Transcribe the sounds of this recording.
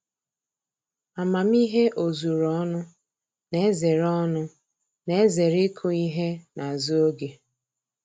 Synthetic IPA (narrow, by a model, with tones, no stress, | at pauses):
a˨ma˨m̩˦i˦ɦe˦ʔo˨zu˨ɾɔ˦nʊ˦ | ne˦ze˨ɾɔ˦nʊ˦ | ne˦ze˨ɾɪ˦kʰʊ˦i˦ɦe˦na˨zu˦o˦ɡe˨